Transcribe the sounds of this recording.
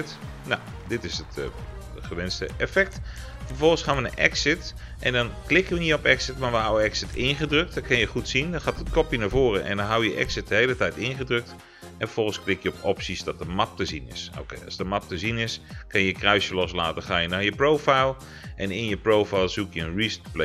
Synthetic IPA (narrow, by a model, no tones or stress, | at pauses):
t | na | dɪtɪsət | əχəʋɪnstə̰ɛfɛk̚t | fərfɔlˠənsχaːnʋənəʔɛ̰ksɪt | ʔɛndɔnklɪkəʋəniɔpɛksɪtmaʋəɦawəɛksɪtʰɪnχədrøk̚t̚dɔnkɪnjəχutsindɔnxaːtətkɔpjənavoːrəʔɛ̰ndɔnɦawjəʔɛ̰ksɪt̚dəhejlətɛjtɪnχədrøk̚t | ʔɛnfəv̥ɔlˠχən̩sklɪkjəɔpɔpsisdɔt̚dəmap̚təzinɪ̰so̰kḛjɑ̰zdəmɑp̚təzinɪskɪnjəjəkrœɥsjəlɔsla̰ːtəxaːjəndɔjəprowfajlˠ | ʔɛnɪnjəprowfajlˠsukjəənɹistple